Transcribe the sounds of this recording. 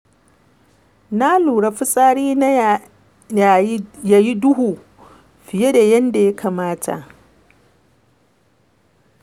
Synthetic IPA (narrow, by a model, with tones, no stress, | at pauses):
na˦luː˨ɽa˨ɸɪ˦sʼaː˦ɽiː˦n˦ | a˨ja˨ji˦dʊ˦huː˨ | ɸɪ˨je˦da˨jɐ˦nda˨ja˦kʰa˨maː˦tʰa̰˨ʔ